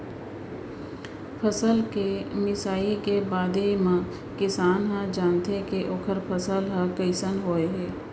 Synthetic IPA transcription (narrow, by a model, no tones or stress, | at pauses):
pʰəsəlkemɪsaːikebaːd̪ʱemã | kɪsaːnɦãd͡ʒaːnt̪ekeʔoːkʰəɾpʰəsəlɦə̃kəɪsənɦoːeɦɛː